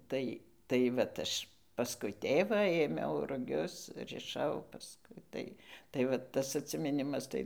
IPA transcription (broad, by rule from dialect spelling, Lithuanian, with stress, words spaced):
ˈtɐɪ tɐɪ ˈʋɐt ˈɐʃ pɐsˈkʊɪ ˈtʲeːʋɑː eːˈmʲɛʊ rʊˈɡʲʊs rʲɪˈʃɐʊ pɐsˈkʊɪ tɐɪ tɐɪ ʋɐ ˈtɐs ɐtʲsʲɪmʲɪˈnʲɪmɐs ˈtɐɪ